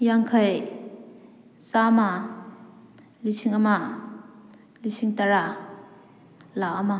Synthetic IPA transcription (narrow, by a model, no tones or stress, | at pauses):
jaŋkʰaj | sama | lisʰiŋama | lisʰiŋtaɾa | laama